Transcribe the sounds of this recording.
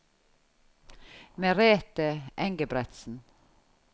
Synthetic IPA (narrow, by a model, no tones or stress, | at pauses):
meːɾeːt̪əʔɛŋɡəbɾɛt̪sn̩